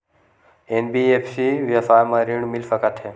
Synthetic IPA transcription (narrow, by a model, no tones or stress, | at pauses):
enbiepʰsiʋjɐfaːmãɾiɳmilfəkət̪ɦe